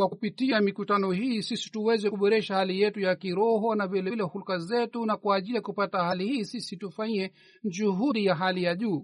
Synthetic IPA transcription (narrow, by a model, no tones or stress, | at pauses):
wakupitiamikutanɔhisisi̥tuwɛzɛkuɓɔɾɛʃahalijɛtujakiɾɔɦɔnavɛlɛlɛhulkazɛtunakwaːʄilijakupatahalihiːsisitufaɲɛ | d͡ʒuɦuɗijaɦalijaʄuː